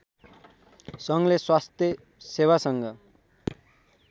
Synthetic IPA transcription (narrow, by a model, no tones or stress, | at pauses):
sʌŋleswast̪jʌ | sewasʌŋɡʌ